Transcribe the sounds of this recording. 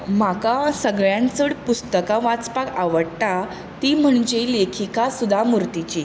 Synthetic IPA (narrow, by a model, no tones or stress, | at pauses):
makasəɡɭjãnt͡səɽpust̪əkãʋat͡spakaʋəɽt̪a | t̪iːm̤əɳd͡ʑelekʰikasud̪ʱamuɾt̪it͡ɕi